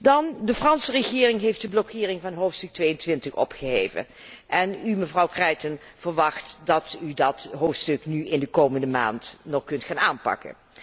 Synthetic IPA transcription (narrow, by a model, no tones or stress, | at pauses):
dɑndəfrɑnsərəχɪːrɪŋɦejfdəblɔkʰɪːrɪŋvɑnɦowftstɵk̚tʋejəntʋɪntəχɔ̰pχəɦejvə̰n | ʔɛnyməvrɑwkrɛjtən | v̥əɹʋɑχtdɑtydɑtɦoːftstɵknyɪndəkowməndəma̰ːntnɔχkɵntχaːnaːnpɑ̰kə̰n